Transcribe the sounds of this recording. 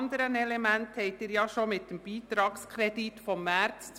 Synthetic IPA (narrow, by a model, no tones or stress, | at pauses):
nd̪əɾənɛlɛmɛnt̪hɛɪt̪eːɾjɑːʃomɪt̪̚d̥̪ɛmb̥iːt̪ɾɑːɡskʰɾɛd̪it̪fɔmːæɾt̪s